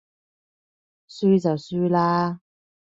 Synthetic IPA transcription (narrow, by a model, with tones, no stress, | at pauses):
syː˥t͡sɐ˨wsyː˥laː˥